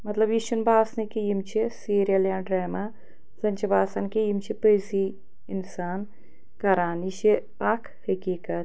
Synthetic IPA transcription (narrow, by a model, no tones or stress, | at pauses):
mɐt̪lɐbjiʃunbaːsnɐkijimt͡ʃʰisiːɾijɐljãːɖɾeːma | zɐnʲt͡ʃʰɐbaːsɐnkejimt͡ʃʰipəjsi | insaːn | kɐɾaːniʃi | aːkʰhɐkiːkɐt̪̚